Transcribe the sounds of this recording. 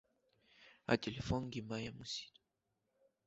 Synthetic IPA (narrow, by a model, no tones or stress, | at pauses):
a̰telefɔnɡimajamusi̥t̪